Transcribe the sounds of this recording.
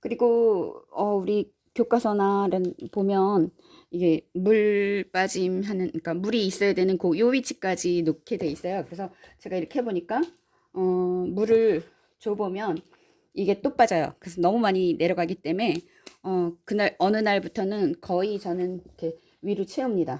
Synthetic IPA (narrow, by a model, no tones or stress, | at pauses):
kɯɾiɡoʌuɾi | kjok͈asʰʌnaɾanpomjʌn | iɡe̞muɭp͈ad͡ʑimɦanɯnk͈amuɾiːs͈ʌjadwe̞nɯnkojoɥit͡ɕʰi̥k͈ad͡ʑinokʰedwe̞is͈ʌjokɯɾe̞sʰʌt͡ɕe̞ɡaiɾʌkʰeɦeboɲik͈a | ʌmuɾɯɭ | t͡ɕobomjʌn | iɡe̞t͈op͈ad͡ʑʌjo̰kɯɾesʰʌnʌmumaɲine̞ɾjʌɡaɡit͈e̞me̞ | ʌkɯnaɾʌnɯnaɭbutʰʌnɯnkʌit͡ɕʌnɯnikʰe̞ | ɥiɾɯt͡ɕʰeɯmɲida